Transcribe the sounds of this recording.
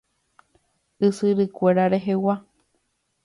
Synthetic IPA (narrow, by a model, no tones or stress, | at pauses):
ɨsɨɾɨkʷeɾaɾeɦewa